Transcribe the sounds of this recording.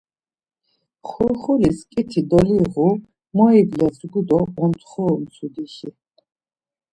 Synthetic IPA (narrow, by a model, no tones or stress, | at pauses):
χuɾχuliskʼit̪ʰid̪ɔliʁu | mɔiblɛzɾɡud̪ɔɔnt̪ʰχɔːmt̪sʰud̪iʃi